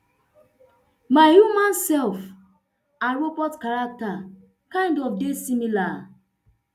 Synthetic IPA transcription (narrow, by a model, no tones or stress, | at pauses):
maɪhjumãnsɛlf | aɹobɔtkaɹak̚ta | kãɪ̃ndɔfdesimila